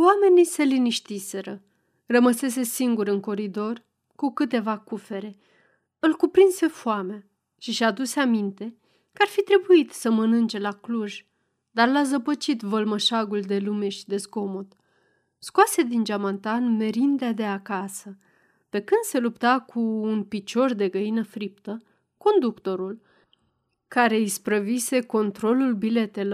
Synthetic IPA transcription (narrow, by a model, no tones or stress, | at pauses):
wame̞nise̞liniʃt̪ise̞ɾə | rəməse̞s̬e̞siŋɡuɾɨŋko̞ɾid̪o̞r | kukɨt̪e̞vakufe̞ɾe̞ | ɨlkupɾinse̞foamea | ʃiʃad̪useamint̪e̞ | kəarfit̪ɾe̞buit̪səmənɨnt͡ʃe̞lakluʒ | d̪arlazəpət͡ʃit̪vəlməʃaɡuld̪e̞lume̞ʃid̪e̞sɡo̞mot̪ | skwased̪ind͡ʒamant̪anme̞ɾind̪ead̪e̞akasə | pe̞kɨnd̪̥se̞lupt̪akʰuːnpit͡ʃo̞rd̪e̞ɡəinəfɾip̚t̪ə | ko̞nd̪ukt̪o̞ɾul | kaɾe̞ispɾəvise̞ko̞nt̪ɾo̞lulbile̞t̪e̞lo